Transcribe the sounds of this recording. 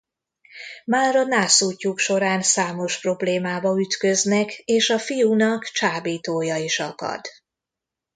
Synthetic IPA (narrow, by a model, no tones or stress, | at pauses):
maːɾɒnaːsuːcːukʃo̞ɾaːnsaːmo̞ʃpro̞bleːmaːbɒyt̪køznɛkeːʃɒfijuːnɒkt͡ʃaːbiːt̪oːjɒiʃɒkɒ̰d̪̥